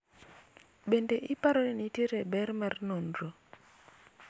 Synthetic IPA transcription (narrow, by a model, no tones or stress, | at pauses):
bendeʔɪpaɾoniniteɾebɛrmɛrnondɾo